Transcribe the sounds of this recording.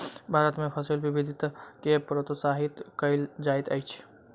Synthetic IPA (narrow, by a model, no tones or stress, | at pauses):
bʱaːɾət̪mepʰəsilbibid̪ʱit̪kepɾot̪saɦit̪kəld͡ʒaɪt̪ə̰jt͡ʃʰ